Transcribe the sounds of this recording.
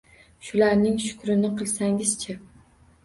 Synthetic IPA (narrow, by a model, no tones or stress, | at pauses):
ʃʊlaɾnɪŋʃʊ̥kɾɪnɪqʰɨlˠsaŋɪz̥t͡ʃʰa